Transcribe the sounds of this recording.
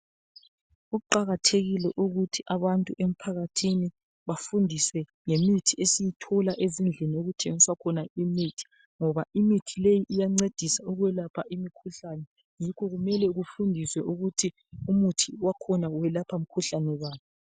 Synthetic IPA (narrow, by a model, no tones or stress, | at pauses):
uuǃaɣatʰeɣilɛʔuɣutʰiʔaβantʼuʔem̩pʰaɣatʰini | βafundʱiswɛ | ŋemitʰiesijitʰɔlaʔezind͡ɮʱinioɣutʰeŋiswakʰɔnaimitʰi̥ | ŋɔβaimitʰilejiʔijaŋ͡ǀed̥ʱisauɣwɛlapʰaʔimikʰuɬanɛ | jikʰɔɣumɛlɛɣufundʱiswɛʔuɣutʰi | umutʰiwakʰɔnawɛlapʰam̩kʰuɬanɛwaːβɔ